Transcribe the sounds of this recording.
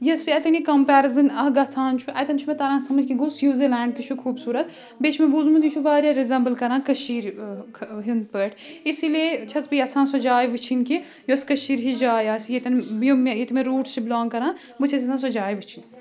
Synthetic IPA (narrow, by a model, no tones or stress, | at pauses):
jɐsiɛt̪ɐnikɐmpæːɾɐzɨnɐɡɐt͡sʰãːnt͡ʃʰuʔɛt̪ʲɐnt͡ʃʰumɛt̪ɐɾãːnsɐmɐd͡ʒkiɡoːsjuːzilɛːɳɖ̚t̪ɨt͡ʃʰukʰuːbsuːɾɐt̪ | bet͡ʃʰmebuzmut̪it͡ʃʰuʋaːɾjaɾizɐmbɨlkɐɾãːkɐʃiːɾkʰɦind̪pəːʈʰisilet͡ʃʰɐt͡spɨjɐt͡sʰãːnsod͡ʒaːjʋɨt͡ʃʰinki | joskɐʃiːɾɦid͡ʒaːjaːsʲijet̪ɐnbjomejet̪imẽɾuːʈst͡ʃʰiblaːnkɐɾãːn | bɨt͡ʃʰɐt̪ʲɐsʰãns̬od͡ʒaːjʋɨt͡ʃʰin